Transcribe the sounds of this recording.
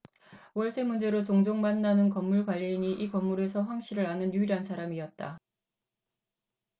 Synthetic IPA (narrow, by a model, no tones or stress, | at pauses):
wʌɭs͈ʰe̞mund͡ʑe̞ɾot͡ɕoŋd͡ʑoŋmanːanɯnkʌmːuɭkwaʎːiɲiʔikʌmːuɾe̞sʰʌɸwaŋɕ͈iɾɯɾanɯnjuiɾɦansʰaɾamiʌt̚t͈a